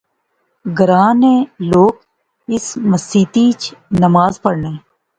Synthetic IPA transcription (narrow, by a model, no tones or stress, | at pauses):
ɡəɾãːnẽːloːk | ɪsməsiːt̪it͡ʃnəmaːzpəɽneː